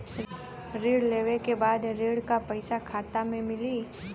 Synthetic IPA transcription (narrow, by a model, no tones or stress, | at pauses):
ɾeːɽleːʋekebaːd̪ɾeːɽkapɐɪsakʰaːt̪amẽmɪliː